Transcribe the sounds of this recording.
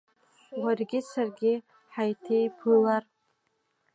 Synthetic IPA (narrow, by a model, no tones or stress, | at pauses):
warɡʲɪsʰarɡʲɪ | ħajtʰejpʰɨlar